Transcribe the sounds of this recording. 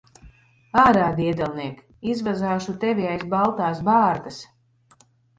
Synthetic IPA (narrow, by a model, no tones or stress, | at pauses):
aːɾaːd̪iɛd̪ɛlˠniɛk | izvazaːʃut̪ɛvʲiajsbalˠt̪aːsbaːɾt̪as